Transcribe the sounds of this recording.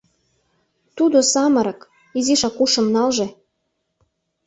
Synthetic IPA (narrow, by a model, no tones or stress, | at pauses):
t̪ud̪osɑmɤ̆ɾɤ̆k | iziʃɑkuʃə̆mnɑlʒĕ